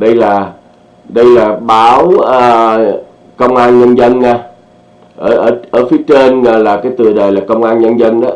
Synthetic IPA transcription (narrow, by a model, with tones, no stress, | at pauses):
ɗə˧jlaː˨˩ | ɗə˧jlaː˨˩ɓaː˨˦wə˨˩ | kə˧wŋ͡mʔaː˧nɲə˧nzə˧nːaː˧ | ʔəː˧˩ʔəː˧˩ʔəː˧˩fi˨˦ət͡ɕe˧nŋɔ˧˨˩laː˨˩kaː˨˦jt̪ɨ˨˩əɗəː˨˩jlaː˨˩kə˧wŋ͡mʔaː˧nɲə˧nzə˧nɗɔ˨˦